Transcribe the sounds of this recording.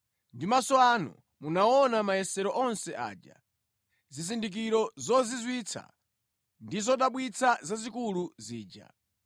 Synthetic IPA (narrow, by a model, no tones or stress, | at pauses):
ndimasɔanṵ | munaɔnamajɛsɛɾɔʔɔnsɛʔa̰ːd͡ʒa̰ | zizindik̬iɾɔzɔzizwit͡sʰa̰ | ndizɔɗaɓwit͡sʰazazikuluziːd͡ʒa̰